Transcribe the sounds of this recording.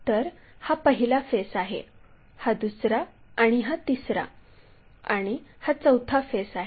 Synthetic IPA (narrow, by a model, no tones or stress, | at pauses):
t̪əɾ | hapəɦilafesaɦḛ | had̪usɾaːɽ̃iɦat̪isɾa̰ | aɽ̃ihat͡səwt̪ʰafesaɦe